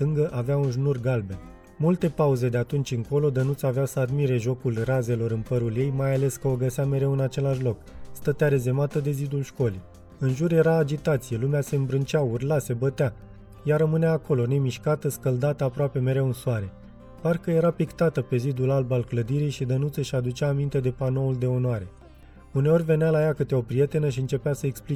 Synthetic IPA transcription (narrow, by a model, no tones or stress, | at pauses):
t̪ɨŋɡəʔaveaunʒnurɡalbe̞ | mult̪e̞pauze̞d̪e̞at̪unt͡ʃʲɨŋko̞lo̞d̪ənut̪saveasəad̪miɾe̞ʒo̞kulraze̞lo̞ɾɨnpəɾulje̞jmajale̞skəoɡəseame̞ɾewɨnat͡ʃe̞laʃlo̞kst̪ət̪eaɾe̞ze̞mat̪əd̪e̞zid̪ulʃko̞lij | ɨnʒurje̞ɾaːd͡ʒit̪at̪sije̞lumease̞ɨmbɾɨnt͡ʃaurlase̞bət̪ea | jaɾəmɨneaːko̞lo̞ne̞miʃkat̪əskəld̪at̪əapɾoape̞me̞ɾe̞wɨnsuaɾe̞ | parkəje̞ɾapikt̪at̪əpe̞zid̪ulalbalkləd̪iɾijʃid̪ənut̪səʃiad̪ut͡ʃaːmint̪e̞d̪e̞pano̞uld̪e̞o̞nwaɾe̞ | une̞o̞rʲve̞nealajakɨt̪eopɾije̞t̪e̞nəʃ̬iɨnt͡ʃe̞pasəekspli